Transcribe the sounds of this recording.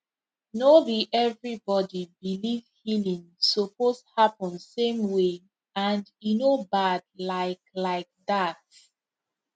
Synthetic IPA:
noliʔɛvɹibɔdibilivhilĩŋsoposhapɔ̃nsẽmwe | ãndjunobadlaɪklaɪk̚ðat̚

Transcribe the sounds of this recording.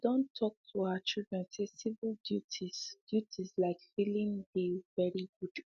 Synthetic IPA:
d̥õntʰːɔk̚tʰuaət͡ʃilˠdɹɛ̃nsesivəlˠdjutʰiz̥d̥jutʰizlaɪkfilĩŋðevɛɹiɡud̥

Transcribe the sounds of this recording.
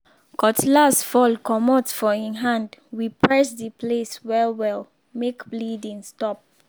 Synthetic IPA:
kɔtlasfɔlkɔmɔtfɔĩnɦãndwipʰɹɛsdəpleswɛwɛl | mekblidĩŋstɔp̚

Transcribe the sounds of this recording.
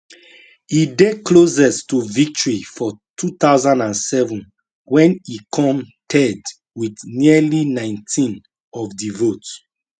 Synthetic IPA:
ided̚kʰlozɛstuvik̚tɔɹifɔtʰut̪aʊzãndãnsɛvũn | wɛ̃nikʰɔ̃mtʰɛd | widnilinãɪ̃ntʰĩn | ɔvdivot

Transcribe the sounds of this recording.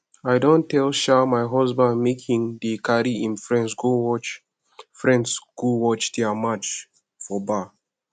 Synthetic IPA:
aɪdõntʰːɛlˠʃamaɪɦɔzbãndmekʰĩŋdikaɾiĩnfɹɛ̃nsɡowɔt͡ʃ | fɹɛ̃ndsɡ̥uwɔt͡ʃdiamat͡ʃ | fɔba

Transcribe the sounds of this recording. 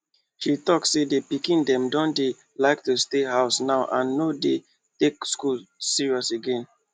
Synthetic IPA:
ʃitɔksːedepikĩndɛ̃mdɔ̃nde | laɪktusteɦaʊsnaʊʔãnːode | tekskulsiɹiɔseɡɛ̃n

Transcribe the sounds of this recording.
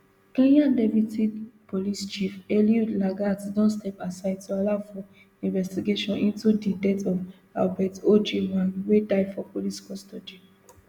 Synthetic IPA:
kẽnãndepitipolist͡ʃifeliulaɡatdɔ̃nstɛpasaɪd̚tualaʊfɔ | ĩnvɛstiɡeʃɔ̃nĩntudidɛtɔv | a̰lbɛtod͡ʒewãnwedaɪdfɔpoliskɔstɔd͡ʒi

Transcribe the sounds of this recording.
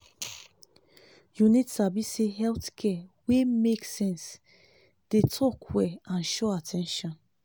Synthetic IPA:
junitsabiseɦɛlθkʰɛwemeksɛ̃ns | d̥etʰɔkʰwɛãnʃɔatʰɛ̃nʃɔ̃n

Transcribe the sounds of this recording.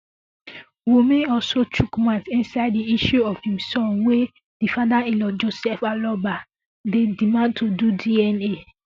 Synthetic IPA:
wumẽnɔlsotʰukmãtĩnsaɪdiiʃuɔfhĩmsɔ̃nwe | difadaelɔd͡ʒosɛfalɔba | dedimãn̚tʰodudiɛne

